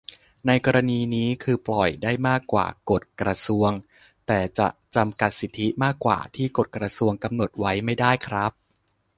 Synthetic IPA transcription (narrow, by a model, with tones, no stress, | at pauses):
na˧jkɔː˧ɾa˧niː˧niː˦˥kʰɯː˧plɔ˨˩jdaː˥˩jmaː˥˩kːwa̰ː˨˩ko˨˩t̪̚kɾa˧su˧əŋ | t̪ɛː˨˩t͡ɕa̰˨˩ʔt͡ɕa˧mka˨˩t̪̚si˨˩t̪ʰːi˦˥maː˥˩kːwa̰ː˨˩t̪ʰiː˥˩ko˨˩t̪̚kɾa˧su˧əŋka˧mno˨˩t̪̚wa˦˥jma˥˩jdaː˥˩jkʰɾa˦˥p̚